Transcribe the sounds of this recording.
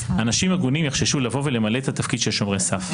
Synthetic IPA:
anaʃimaɡunimjeχʃeʃulavo̞vele̞malet̪at̪afkid̥̪ʃelʃo̞mʁesaf

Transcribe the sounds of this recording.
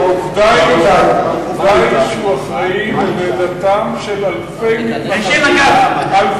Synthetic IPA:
ovd̪ajovdajʃuaχaimledat̪amʃelalfejmit | al

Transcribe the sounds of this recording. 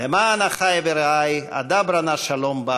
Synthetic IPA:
lemaːnaχajeveɾaja̰d̪abɾanaʃalomba

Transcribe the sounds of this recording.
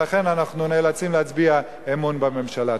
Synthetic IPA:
aχe̞nanaχnuneːlat͡simleat͡sbia | emunbame̞mʃala

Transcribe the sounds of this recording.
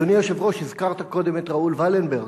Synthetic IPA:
onijoʃevʁo̞ʃhizkaʁt̪ako̞d̪e̞met̪ʁaulvalenbeʁɡ

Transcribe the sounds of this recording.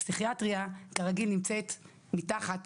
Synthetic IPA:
siχiatʁiaɡ̥aʁaɡilnimt͡se̞t | mitaχat

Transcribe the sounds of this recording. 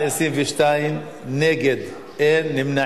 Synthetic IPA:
esʁimveʃt̪aim | neɡed̪ | enːimna

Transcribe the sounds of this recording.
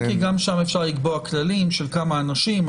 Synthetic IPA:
kiɡamʃamefʃaʁliɡboaklalimʃelkamaːnaʃim

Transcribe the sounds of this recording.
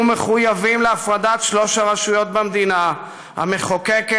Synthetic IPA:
meχujavimleafʁad̪at̪ʃlo̞ʃaʁaʃujo̞t̪̚bamd̪ina | ha̰me̞χokek

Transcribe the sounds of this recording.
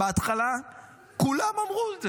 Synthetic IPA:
eat̪χala | kulamamʁuze

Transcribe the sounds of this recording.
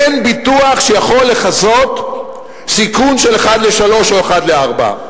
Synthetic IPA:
enbituaχʃejaχo̞lːe̞χazo̞t̪ | sikunʃeleχad̪leʃalo̞ʃo̞eχad̪leaʁba̰

